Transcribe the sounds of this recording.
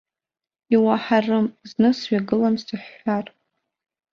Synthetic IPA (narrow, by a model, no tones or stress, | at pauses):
iwaħarɨmznɨsɥaɡɨlamstʰɨħːar